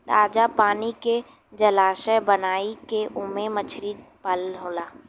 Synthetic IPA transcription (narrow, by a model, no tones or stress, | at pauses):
ɾaːd͡ʒapaːnike | d͡ʒɐlaːsɛbənaːikeʔʊmemət͡ʃʰɾiːpəloːlaː